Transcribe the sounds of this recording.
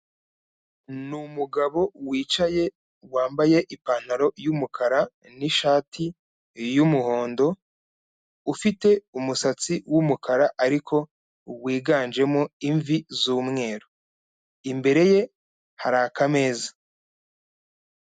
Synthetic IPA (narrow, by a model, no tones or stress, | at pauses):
numuɡaβo̞wiːt͡ʃaje̞ | waːmbaje̞ʔipaːn̥haɾo̞jumukʰaɾa | niʃaːtʰi | jumuho̞ːndo̞ | ufite̞umusat͡siwumukʰaɾaʔaɾikʰo̞ | wiːɡaːnd͡ʒe̞moiɱvizuːmŋe̞ːɾo | imbe̞ɾe̞je̞ | haɾakame̞ːza